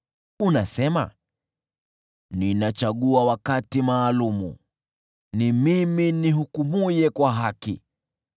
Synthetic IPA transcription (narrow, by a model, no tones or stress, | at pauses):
unasɛma̰ | ninat͡ʃaɠuawakatimaːlumṵ | nimiminiɦukumujɛkwaɦakḭ